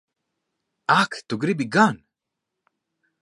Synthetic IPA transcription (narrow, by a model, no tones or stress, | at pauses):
akt̪uɡɾibiɡan